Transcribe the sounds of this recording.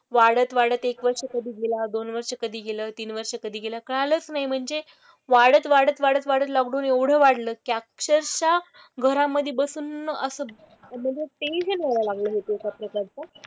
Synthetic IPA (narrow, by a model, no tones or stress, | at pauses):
ʋaɽət̪ʋaɽət̪ekʋəɾʂəkəd̪ʱiːɡelad̪onʋəɾʂəkəd̪ʱiːɡeləːt̪iːnʋəɾʂəkəd̪ʱiːɡelakəɭalət͡snaɦim̤əɳd͡ze | ʋaɽət̪ʋaɽət̪ʋaɽət̪ʋaɽət̪laɡɽuːneʋɽ̤əʋaɽləːkakɕəɾɕa | ɡʱəɾãmːəd̪ʱːjebəsuːnːəəsəː | m̤əɳd͡zet̪eiɦənʋəlalaɡləːɦet̪okapɾəkaɾt͡sə